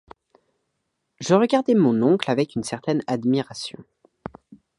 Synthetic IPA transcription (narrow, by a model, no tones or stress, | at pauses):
ʒəʁəɡaʁd̪ɛmɔ̃nɔ̃klavɛkynsɛʁt̪ɛnad̪miʁasjɔ̰̃